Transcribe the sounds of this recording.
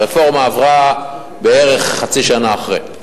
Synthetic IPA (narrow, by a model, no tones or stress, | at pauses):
efo̞ʁmaːvʁa | beeʁeχːat͡siʃanaːχʁḛ